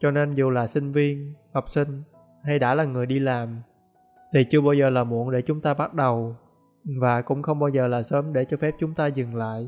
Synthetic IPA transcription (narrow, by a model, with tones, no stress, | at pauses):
t͡ɕɔ˧ne˧nzu˨˩laː˨˩sï˧ŋ̟vi˧ənhɔ˨˩k͡p̚sï˧ŋ̟ | ha˧jɗa̰ː˧˥laː˨˩ŋɨ˨˩əjɗi˧laː˨˩m | t̪ʰi˨˩t͡ɕɨ˧əɓaː˧wzəː˨˩laː˨˩mṵ˧˩ənɗe˧˩t͡ɕʊ˨˦ŋ͡mt̪aː˧ɓa˦˥t̚ɗə˨˩w | vaː˨˩kʊ̰˧˥ŋ͡mxə˧wŋ͡mɓaː˧wzəː˨˩laː˨˩səː˨˦mɗe˧˩t͡ɕɔ˧fɛ˦˥p̚t͡ɕʊ˨˦ŋ͡mt̪aː˧zɨ˨˩ŋla̰ː˧˨j